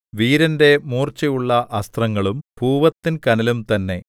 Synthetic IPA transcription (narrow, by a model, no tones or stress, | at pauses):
ʋiːɾɐnde̞muːrt͡ɕɐjuɭːɐʔɐst̪rɐŋːɐɭumpuːʋɐt̪ːinkɐnɐlumt̪ɐnːe̞̰